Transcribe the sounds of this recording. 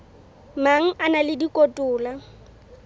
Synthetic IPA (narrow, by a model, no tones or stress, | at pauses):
maŋ̩ʔanalɪdikʼotʼʊːla